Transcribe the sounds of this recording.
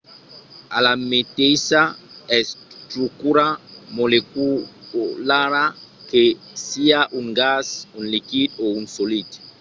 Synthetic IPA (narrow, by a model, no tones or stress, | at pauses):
alamet̪ejsaɛstɾukuɾamoleku | laɾa | ke | siaʔuŋɡasunlikid̪̚ounsolit̪